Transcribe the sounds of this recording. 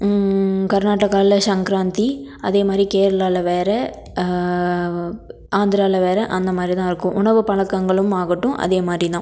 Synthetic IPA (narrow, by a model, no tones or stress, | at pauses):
kɐɾnaːʈːɐkːaːlɐʃɐŋkɪɾaːnt̪iɐðeːmaːd̪ɾikeːɾɐlaːlɐʋeːɾɛ | aːnd̪ɪɾaːlɐʋeːɾɐʔɐnd̪ɐmaːd̪ɾit̪ãːɪɾɯkːʊ̃ʔʊɳɐʋɯpɐɭɐkːɐŋɡɐɭɯmaːɣɪʈːʊ̃ʔɐ̰ðeːmaːd̪ɾit̪ãː